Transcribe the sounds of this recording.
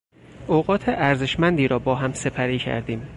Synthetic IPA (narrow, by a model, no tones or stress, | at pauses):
oɣɒːt̪ʰeʔæɾze̞ʃmænd̪iːɾɒːbɒːɦæmse̞pʰæɾiːcʰæ̰ɾd̪iːm